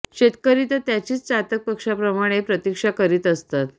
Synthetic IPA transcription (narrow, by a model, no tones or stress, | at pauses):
ɕet̪kəɾit̪ət̪jat͡ɕiːt͡st͡sat̪ək̚pəkʂapɾəmaɽ̃epɾət̪ikʂakəɾiːt̪əst̪at̪